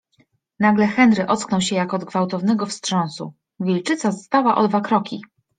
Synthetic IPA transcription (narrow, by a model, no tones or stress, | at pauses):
naɡlɛxɛnd̪ɾɘʔɔt̪sknɔwɕɛjakːd̪̚ɡvawt̪ɔvnɛɡɔfstʂɔ̃ñsṵ | vʲilt͡ʂɘt̪sazɔst̪awaʔɔ̰d̪vakɾɔkʲi